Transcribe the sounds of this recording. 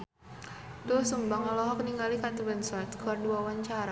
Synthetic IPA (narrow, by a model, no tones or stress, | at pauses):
t̪ʊhsumbaŋɔlɔɦɔkniŋɡalikat̪əbɛnsɔrt̪̚kəwarduawaɲt͡ʃaɾa